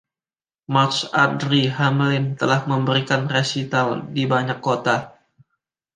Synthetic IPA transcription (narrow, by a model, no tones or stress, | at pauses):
masadɾiɦamlɪnt̪əlahməmbəɾikanresit̪aldibaɲakːot̪a